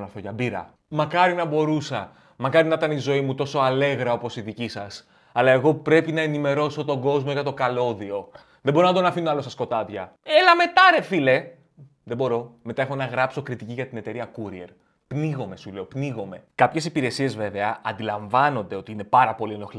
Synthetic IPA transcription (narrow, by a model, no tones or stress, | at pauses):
nɐθoʝɐbiɾɐ̰ | mɐkɐɾinɐbo̞ɾusɐ | mɐkɐɾinɐt̪ɐnizo̞imut̪o̞so̞ɐle̞ɣɾɐo̞po̞siðicisɐs | ɐlɐe̞ɣo̞pɾe̞pinɐe̞nime̞ɾo̞so̞t̪o̞ɡo̞zmoʝɐt̪o̞kɐlo̞ðio̞ | ðebo̞ɾonɐd̪onɐfinoɐlo̞sɐsko̞t̪ɐðʝɐe̞lɐme̞t̪ɐɾefile̞ | ðebo̞ɾo̞me̞t̪ɐexo̞nɐɣɾɐpso̞kɾit̪iciʝɐt̪ine̞t̪e̞ɾiɐkuɾie̞̰ɾ | pniɣo̞me̞sule̞o̞pniɣo̞me̞kɐpçe̞sipiɾe̞sie̞zve̞ve̞ɐɐnd̪ilɐɱvɐno̞nd̪e̞o̞t̪iine̞pɐɾɐpo̞lienoxl